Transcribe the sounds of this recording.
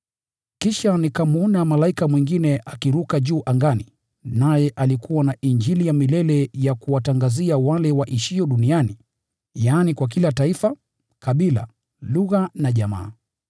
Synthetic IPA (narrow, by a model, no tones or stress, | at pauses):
kiʃanikamuɔnamalaikamwiŋɡinɛʔakiɾukaʄuːʔaŋɡani | najɛʔalikʰuwanaʔiɲd͡ʒilijamilɛlɛjakuwataŋɡaziawalɛwaʔiʃiɔɗuniani | jaːnikwak̬ilataifa | kʰaɓila̰ | luɣanaʄama̰ː